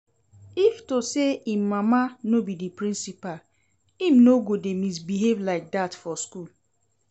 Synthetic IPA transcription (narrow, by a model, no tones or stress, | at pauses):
iftoseim̩mamanobidipɾĩnsipal | im̩noɡodemis̬biɦevlaɪk̚datfɔskul